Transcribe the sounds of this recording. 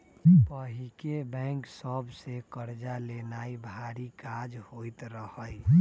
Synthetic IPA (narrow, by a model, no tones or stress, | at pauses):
pəɦikebɛ̃ŋksəbsekəɾd͡ʒalenaibʱaɾikad͡ʒhoit̪ɾəhəj